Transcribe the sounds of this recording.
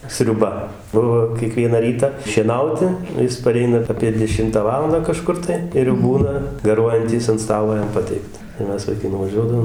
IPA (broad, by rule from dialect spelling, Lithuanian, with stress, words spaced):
sʲrʲʊˈbɐ ˈbʊʋoː kʲiɛˈkʋʲiɛnɐ ˈrʲiːtɐ ʃʲiɛˈnɐʊtʲɪ ˈjɪs pɐˈrʲɛɪnɐ ɐpʲiɛ dʲɛˈʃʲɪmtɑː ˈʋɑːlˠɐndɑː kɐˈʃkʊr tɐɪ ɪr jɛʊ ˈbuːnɐ ɡɐˈruɔjɛnʲtʲiːs ɐnt ˈstɑːlˠoː ˈjɛm ˈpɑːtʲɛɪktɐ tɐɪ ˈmʲɛs ʋɐɪˈkɐɪ nʊʋɐˈʒʲuɔdɐʋoːm